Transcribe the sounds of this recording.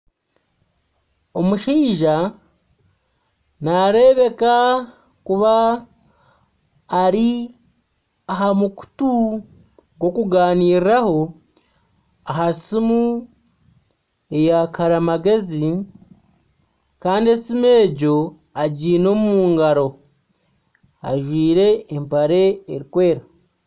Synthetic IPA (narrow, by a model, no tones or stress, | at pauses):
o̞muʃiːʒa | naɾe̞ːβe̞ka | kuβa | ɾi | aɦamuku̥tu | ɡo̞kuɡaːniːɾiɾaho̞ | aɦasimu | e̞jakʰaɾamaɡe̞zi | kaːndiesime̞ːɟo̞ | aɟiːno̞ːmumuːŋɡaɾo̞ | a̰ʒwiːɾe̞ːmpaɾe̞ːɾikwe̞ːɾa